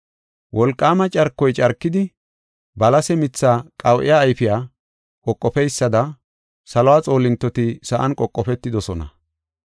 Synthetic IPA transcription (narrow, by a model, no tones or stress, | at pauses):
wʔɔlkʼːaːmɐt͡ʃʼɐɾkːɔjt͡ʃʼɐɾkːɪd̪ɪ | bɐlɐsɛmɪt͡sːaːkʼɐwʔɪ̰jaːjfɪjaː | kʼɔkʼːɔpɛjsːɐd̪ɐ | sɐlɔwaːt͡sʼo̞ːlɪnt̪ːɔt̪ɪsɐʔɐnkʼɔkʼːɔpɛt̪ːɪd̪ɔsɔnɐ̰